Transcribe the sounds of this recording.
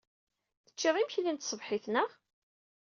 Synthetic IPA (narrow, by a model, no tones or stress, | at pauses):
θə̥t͡ʃːiðˤimçlint̪sˤəvħɪθnəʁ